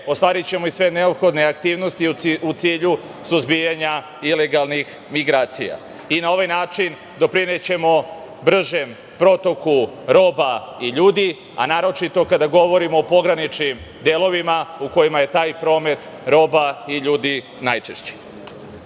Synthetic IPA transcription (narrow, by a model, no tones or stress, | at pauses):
ost̪ʋaːɾit͡ɕe̞mo̞isʋe̞ne̞opxo̞d̪ne̞akt̪iːʋno̞st̪iiut̪siːʎu | suzbijaɲa | ile̞ɡalˠnix | miɡɾaːt̪sija̰ | inao̞ʋajnaːt͡ʃin | d̪o̞pɾine̞t͡ɕe̞mo̞ | br̩ʒe̞m | pɾo̞t̪o̞kuɾo̞ːbaiʎuːd̪i | a̰naːɾo̞t͡ʃit̪o̞kad̪aɡo̞ʋo̞ɾimo̞ːpo̞ɡɾanit͡ʃnim | d̪elo̞ʋimauko̞jimaje̞t̪aːjpɾo̞ːme̞t̪ | ɾo̞ːbaiʎuːd̪i | najt͡ʃeʃt͡ɕe̥